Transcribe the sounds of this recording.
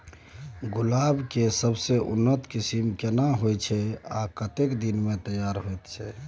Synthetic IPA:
ɡulabkesəbseʔṵnːət̪kisimkenaɦojt͡ʃʰɛa̰kət̪ekd̪inmẽt̪əjaɾɦojt̪t͡ʃʰɛ

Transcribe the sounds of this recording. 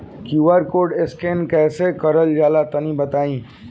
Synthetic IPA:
kjuːʋəɾkoːɖɪskeːnkɛːsekɐɾəld͡ʒaːlat̪ɐnĩbɐt̪aːĩː

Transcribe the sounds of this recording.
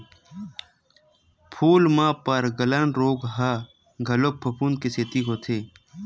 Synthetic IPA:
pʰuːlmãːpəɾɡələnɾoːɡɦa | ɡʱɐlopʰːəpʰund̪̚keseːt̪ikot̪ʰeː

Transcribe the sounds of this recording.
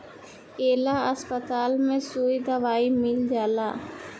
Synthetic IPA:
eːlaəspət̪aːlmẽsuːjd̪ɐʋaːimɪld͡ʒaːlaː

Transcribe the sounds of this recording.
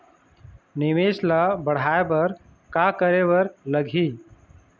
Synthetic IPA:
nɪmeːslabəɽ̤aːebəɾ | kakəɾebəɾləɡʱiː

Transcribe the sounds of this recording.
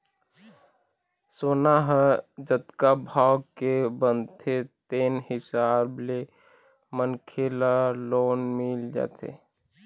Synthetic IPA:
soːnaɦəd͡ʒət̪kabʱaːkebənd̪t̪ʰet̪eːnhɪsaːble | mənkʰelaloːnmɪld͡ʒa̰ːt̪ʰḛ

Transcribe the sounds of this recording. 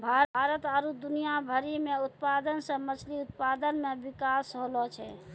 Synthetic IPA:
bʱaɾət̪aɾud̪unijabʱəɾimeut̪̚pad̪ənsə̃mət͡ʃʰliut̪̚pad̪ənmebikasɦolɔt͡ʃʰɛ

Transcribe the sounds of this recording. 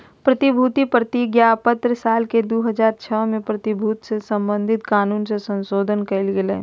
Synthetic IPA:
pɾɐt̪ɪbʱuːt̪ipɾət̪iɡjapət̪ɾsaːlked̪oːɦəzaːɾt͡ʃʰəːmẽpɾɐt̪ɪbʱuːt̪sesɐ̃mbə̃nd̪ʱɪt̪kaːnuːnsesɐ̃nʃoːd̪ʱənkɐlɡelḛː

